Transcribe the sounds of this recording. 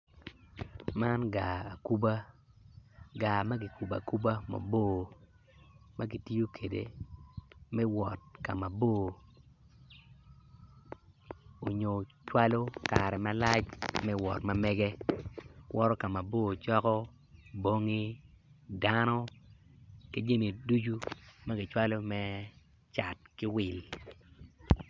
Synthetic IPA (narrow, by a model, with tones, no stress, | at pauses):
ma˦nɡaː˨ku˦ba˦ | ɡa˨ma˦ɡi˨ku˨ba̰˨ku˦ba˦ma̰˨boː˦˨ | ma˦ɡi˨ti˦jo˦kʰe˨dḛ˨ | mɛ˦wɔ˨t̚ka˨ma˨boː˦˨ | o˨ɲo˨t͡ʃwa˦lo˦ka˨ɾɛ˨ma˦la˦t͡ʃmɛ˦wɔ̰˨tma˨mɛ˦ɡe˦ | wʔɔ˦ɾɔ˦ka˨ma˨boː˦˨t͡ʃɔ˦kɔ˦ | bo˦ŋi˦ | da˦nɔ˦ | ke˦d͡ʒe˦mi˨du˦d͡ʒu˦ma˦ɡɪ˨t͡ʃwa˦lo˦mɛ˦ | t͡ʃa˨t̚kɪ˦wɪ˨l